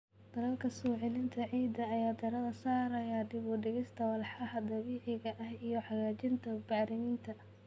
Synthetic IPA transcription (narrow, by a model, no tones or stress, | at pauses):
d̪̥ɐlɐlkʰɐsɔːʕɪlɪnt̪ʰɐʕiːd̪ɐːjaːd̪ʰɐɾɐðɐsaːɾɐjad̪ɪβʊɖɪɣɪst̪ʰɐwɐlħɑhɐd̪ɐβiːʕɪɣɐʔɐhijɞħɑɣaːt͡ʃɪnt̪ʰɐbɑːɾɪmɪnt̪ʰɐ